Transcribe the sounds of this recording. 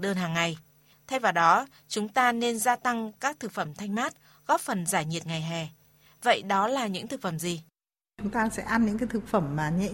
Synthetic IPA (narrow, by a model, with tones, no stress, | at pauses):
ɗəː˧nɦaː˨˩ŋːa˨˩j | t̪ʰa˧jvaː˨˩wɗɔ˨˦ | t͡ɕʊ˨˦ŋ͡mt̪aː˧ne˧nzaː˧t̪a˧ŋkaː˦˥k̚t̪ʰɨ˨˩k̚fə˧˩mt̪ʰa˧jŋ̟maː˦˥t̚ | ɣɔ˦˥p̚fə˨˩nzaː˧˩jɲi˨˩ət̚ŋa˨˩jɦɛ˨˩ | və̰˧˨jɗɔ˨˦laː˨˩ɲɨ̰˧˥ŋt̪ʰɨ˨˩k̚fə˧˩mzi˨˩ | t͡ɕʊ˨˦ŋ͡mt̪aː˧sɛ̰˧˥ʔa˧nɲɨ̰˧˥ŋkaː˨˦jt̪ʰɨ˨˩k̚fə˧˩mmaː˨˩ɲə̰˧˥˨